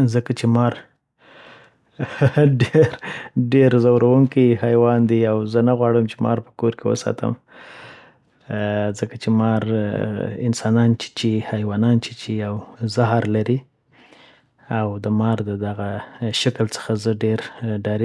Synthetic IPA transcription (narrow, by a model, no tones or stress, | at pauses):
zəkat͡ʃemɑɾ | ɖeɾɖeɾzawɾawuŋkihajwɑnd̪iawzənaɣwɑɽəmt͡ʃemɑ̰ɾpə̥koɾkewə̰sɑ̰t̪ʰə̰m | zəkat͡ʃemɑɾ | ɪ̰nsɑnɑnt͡ʃɪ̥t͡ʃihajwɑnɑnt͡ʃet͡ʃejawzaɦaɾlaɾi | awd̪əmɑɾd̪əd̪aɣaʃakəlt͡sə̥xazəɖeɾɖɑɾi